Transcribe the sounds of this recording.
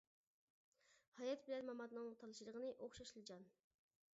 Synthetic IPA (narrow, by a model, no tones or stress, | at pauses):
hɑjɑt̪bɪlɛnmɑmɑd̪nɨŋt̪ʰɑlˠɨʃilˠəʁənɨʔoχʃɑʃlˠɨd͡ʒɑn